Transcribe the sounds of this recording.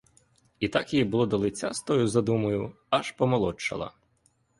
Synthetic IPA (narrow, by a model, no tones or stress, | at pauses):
it̪ɑkibʊlˠɔd̪ɔlˠɪt͡sʲːast̪ɔjʊzɐd̪umɐjʊ | ɐʃpɔmɔlˠɔt͡ʃːɐ̰lˠɐ̰